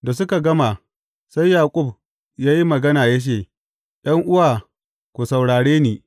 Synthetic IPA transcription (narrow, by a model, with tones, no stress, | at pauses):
da˨s̬ʊ˦ka˨ɡɐ˦ma˨ | sa˦jːaː˨kʷʼʊ˦˨b | jaː˦ji˦mɐ˨ɡɐ˦naː˨jɐ˦ʃ̬eː˦˨ | j̰ɐ˦ŋʔʊ˦waː˨ | kʷu˨sa˨wɽaː˨ɽeː˦niː˦˨